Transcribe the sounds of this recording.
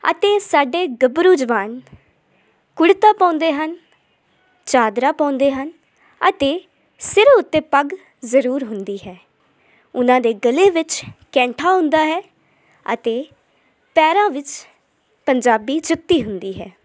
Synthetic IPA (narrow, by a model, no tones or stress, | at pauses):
ə̰t̪eːsaːɖeːɡəbɾuːd͡ʒʋaːn | kʊɽt̪aːpãːnd̪eːɦən | t͡ʃaːd̪ɾaːpãːnd̪eːɦən | ə̰t̪eː | sɪɾʊt̪ːẽːpəɡ | zəɾuːɾɦʊnd̪iːɦɛː | ʊnãːd̪eːɡəleːʋɪt͡ʃkɛ̃ːɳʈʰaːɦʊ̃nd̪aːɦɛː | ə̰t̪eː | pɛːɾãːʋɪt͡ʃ | pəɲd͡ʒaːbiːt͡ʃʰʊt̪ːiːɦʊnd̪iːɦɛː